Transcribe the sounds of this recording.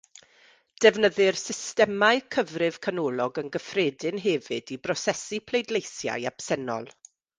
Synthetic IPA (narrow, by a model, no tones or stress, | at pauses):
d̥ɛvnəðɨrsɪstɛmaɨkʰəvrɪv̥kʰanɔːlˠɔɡənɡəfreːdɪnɦɛvɨdibrɔsɛsipʰlejdlejθja̰jab̥sɛnɔ̰lˠ